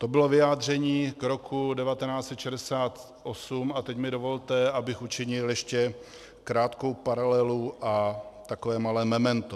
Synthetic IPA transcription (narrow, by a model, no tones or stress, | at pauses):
t̪o̞bɪlo̞vɪjaːd̪r̝ɛɲiːkɾo̞kʰudɛvat̪ɛnaːt͡ssɛt̪ʃɛdɛsaːt̪ | ʔosumat̪ɛcmɪdovo̞lt̪ɛabɪxut͡ʃɪɲɪljɛʃcɛ | kɾaːt̪kowpaɾalɛluʔat̪akovɛːmalɛːmɛmɛnt̪o